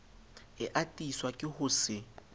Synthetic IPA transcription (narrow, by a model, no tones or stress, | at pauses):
ɪʔatʼiswakʼɪhʊsɪ